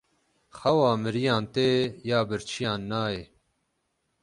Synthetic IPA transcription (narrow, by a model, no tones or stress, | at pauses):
xɐwɑːmɨɾijɑːnt̪eːjaːbɨɾt͡ʃʰijɑːnːɑːjeː